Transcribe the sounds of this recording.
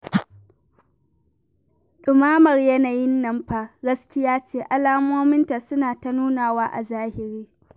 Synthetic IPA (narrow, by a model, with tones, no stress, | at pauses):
ɗɪ˨maː˦mɐ˨rjɐ˦na˨jɪ˦nːɐ˦mɸa˦ɡɐ˦skʲɪ˦jaː˦t͡ʃeː˦ʔa˨laː˦moː˦mɪ˦nta˨sʊ˦naː˨ta˦nuː˦naː˨waː˦ʔa˨zaː˦hɪ˨ɾiː˦